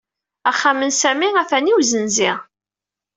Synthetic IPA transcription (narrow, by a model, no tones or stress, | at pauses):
æχːamənsæmiæθæniwzənziʁ